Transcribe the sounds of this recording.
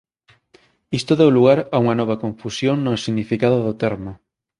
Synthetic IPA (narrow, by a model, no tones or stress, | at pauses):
ist̪oðewluɣ̞aɾauŋanɔβ̞akõɱfusjoŋnosiɣnifikað̞oðot̪eɾmo